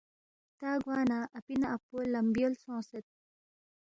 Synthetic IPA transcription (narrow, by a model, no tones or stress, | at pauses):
t̪aːɡwaːnaʔɐpinaːpolːɐmbijolsõːset̪̚